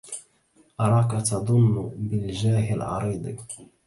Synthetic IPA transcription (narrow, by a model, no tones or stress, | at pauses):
ʔɑɾˤɑːkat̪ɑd̪ˤʊnːbɪld͡ʒaːhɪlʕɑ̰ɾˤiːd̪ˤḭ